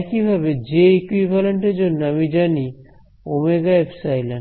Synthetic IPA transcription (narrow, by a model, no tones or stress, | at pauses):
ɛkibʱabed͡ʑeekwibʱaleɳʈeɾd͡ʑonːoamid͡ʑani | omeɡaepsajlan